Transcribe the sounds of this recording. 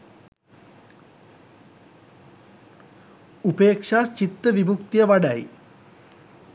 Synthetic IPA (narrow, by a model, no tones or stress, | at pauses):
upeːkʂaːt͡ʃit̪ːəʋibʱukt̪ijəʋaɖaj